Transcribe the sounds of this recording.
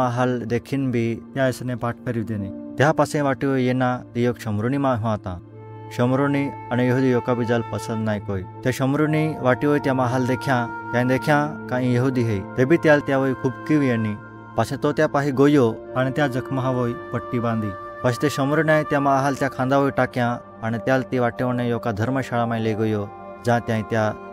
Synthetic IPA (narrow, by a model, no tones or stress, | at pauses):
aɦald̪ekʰiːnbʱit̪jaesnepaʈ̚ʰkəɾiʋd̪enit̪japasẽʋaʈiʋojenat̪ijokɕəmɾunimaɦat̪ã | ɕəmɾoniañijəɦud̪ijokabid͡zalpəsənd̪najkojt̪jaɕəmɾuniʋaʈiʋojt̪jamaɦald̪ekʰjãt̪jãj̃d̪ekʰjãkãɦĩjəɦud̪iɦejt̪ebʱiːt̪jalt̪jaʋəikʰuːbkiʋjeni | pasẽt̪ot̪japaɦiɡojoaɽ̃it̪jad͡zəkʰməɦaʋojpəʈːibãnd̪ʱiː | paɕĩt̪eɕəmɾunjãjt̪jamaɦalt̪jakʰãnd̪aʋojʈakjã | aɽ̃it̪jalt̪ĩʋaʈːeʋəɳẽjokad̪ʱəɾməɕaɭamajleɡojo | d͡zãt̪jãĩt̪ja